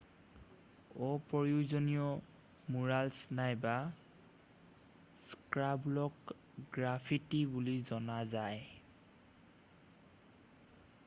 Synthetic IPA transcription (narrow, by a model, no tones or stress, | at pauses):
ɔpɔɹiuzɔnijɔ | muɹalsnajba | skɹablɔk | ɡɹapʰitibulizɔnazaj